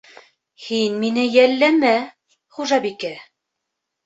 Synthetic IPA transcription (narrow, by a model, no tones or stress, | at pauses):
hinminɘjælːæmæ | χuʒɑbikæ